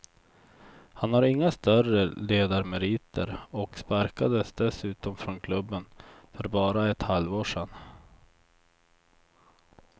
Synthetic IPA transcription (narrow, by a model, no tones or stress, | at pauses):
hanhaɾɪŋːast̪œrəleːd̪aɾmɛɾiːt̪ʰə̰ɾɔkspaɾkad̪əsd̪ɛsʉ̟ːt̪ɔmfɾɔnkʰlɵbːənfœɾbɑːɾaɛt̪halvoːʂɛn